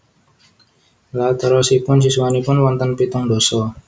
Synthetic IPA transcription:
lat̪əɾɔsipʊnsisuwanipʊnwɔnt̪ənpit̪ʊŋdɔsɔ

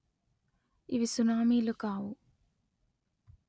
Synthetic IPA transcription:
iʋisunaːmiːlukaːʋu

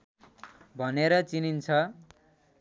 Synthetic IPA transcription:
bʱʌneɾʌt͡sinint͡sʰʌ

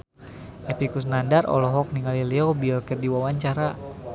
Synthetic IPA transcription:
epikusnandarʔɔ̰lɔɦɔk̚niŋaliliɔbilkərdiwawaɲt͡ʃaɾa

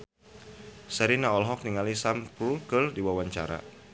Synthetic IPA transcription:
sɛɾinaɔlɦɔk̚niŋalisampɾulkɨrdiwawaɲt͡ʃa̰ɾa̰

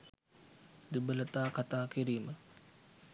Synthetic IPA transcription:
d̪ubələt̪aːkat̪aːkiɾiːmə

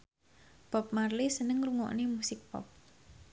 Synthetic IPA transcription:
pɔp̚marlisənəŋruŋɔ̰ʔnemusɪk̚pɔ̰p̚

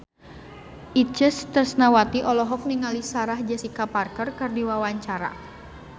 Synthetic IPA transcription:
ʔit͡ʃəst̪ərsnawat̪iʔɔlɔɦɔk̚niŋalisaɾahd͡ʒasikaparkərkərdiwawaɲt͡ʃaɾa̰

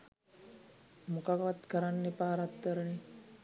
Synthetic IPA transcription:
mukakʋat̪kəɾanːepaːɾat̪kəɾəni

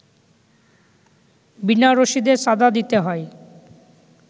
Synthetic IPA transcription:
binaɾoʃid̪eʃad̪ʱad̪it̪eɦɔe

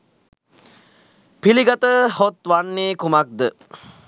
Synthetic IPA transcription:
piliɡat̪əhot̪ʋanːeːkumak̚d̪ə

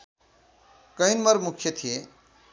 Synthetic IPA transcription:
kʌinmʌɾmukʰjʌt̪ʰije

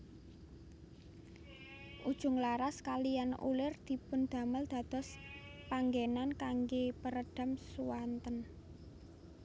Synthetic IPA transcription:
ʔud̥ʒ̥ʊ̤ŋlaɾaskalijanṵlɪrd̪̥i̤pʊnd̪̥ä̤məld̪̥a̤d̪̥ɔ̤spaŋɡenankaŋɡepəɾəɖ̥a̤msuwant̪ən

